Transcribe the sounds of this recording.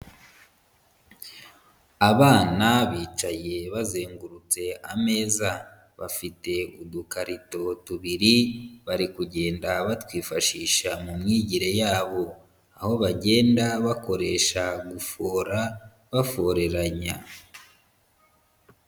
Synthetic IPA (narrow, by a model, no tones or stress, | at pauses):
aβaːnaβiːt͡ʃaje̞βazeːŋɡuɾut͡se̞a̰me̞ːza | βa̰fite̞udukaɾito̞tuβiɾiβaɾikuɟe̞ːndaβatwiːfaʃiːʃamumŋiːɟiɾe̞jaːβo̞ | aho̞βaɟeːndaβako̞ɾe̞ːʃaɡufoːɾa | βafo̞ɾe̞ɾaɲa̰